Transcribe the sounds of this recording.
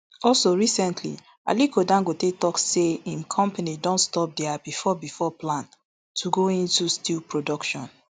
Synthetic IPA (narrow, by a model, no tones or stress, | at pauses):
ɔlsoɹisɛ̃ntʰlḭ | a̰likʰodãŋɡotetɔkseĩnkʰɔ̃mpanidɔ̃ntstɔp̚dɛabifɔbifɔplãn | tʰuɡoĩntustilpʰɹodɔkʃɔ̰̃n